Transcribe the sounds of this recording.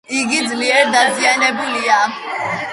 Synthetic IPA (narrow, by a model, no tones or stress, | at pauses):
iɡid͡z̪liɛɾd̪azijanɛbulia